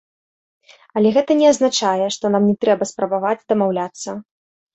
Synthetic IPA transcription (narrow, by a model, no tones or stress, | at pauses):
ɐlʲɛɣɛt̪ɐnʲɛaznat͡ʂajɛʂt̪ɔnamnʲɛt̪ɾɛbɐspɾɐbavad͡zʲd̪ɐmawlʲat̪sːɐ